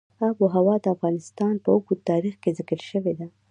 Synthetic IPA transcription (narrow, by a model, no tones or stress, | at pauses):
aboɦawɑd̪əafɣɑnɪst̪ɑnpəʊɡut̪ɑɾixkezɪkəɾʃəwed̪a